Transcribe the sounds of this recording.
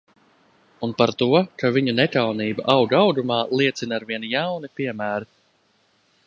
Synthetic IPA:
unpaɾt̪uɔkaviɲunɛkawniːba̰ʔawɡawɡ̪umaːlˠiɛt̪sinaɾviɛnjawnipiɛmæːɾi

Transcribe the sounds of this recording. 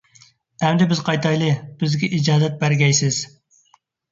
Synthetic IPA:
ɛmd̪ɪbɪzqʰɑjt̪ʰɑjlˠɨb̥ɪzɡʲɛʔid͡ʒɑːd̪ɛt̪̚bæɾɡʲɛjsɪz̥

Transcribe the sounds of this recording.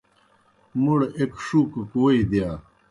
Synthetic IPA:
muɽekʂukukwɐid̪ja

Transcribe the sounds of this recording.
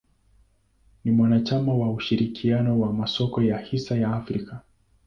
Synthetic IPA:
nimwanat͡ʃamawauʃiɾikʰianɔwamasɔkɔjahisajaːfɾika

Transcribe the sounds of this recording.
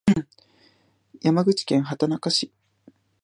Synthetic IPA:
jamaɡɯ̟t͡ɕi̥kẽ̞ɰ̃ɦat̪anakaɕi

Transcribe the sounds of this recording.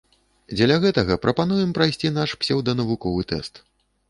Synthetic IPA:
d͡zʲɛlʲɐɣɛt̪ɐɣɐpɾʔɐpan̪ujɛmpɾajsʲt͡sʲin̪aʂpsʲɛwd̪ɐnɐvukɔvɨt̪ɛ̰st̪

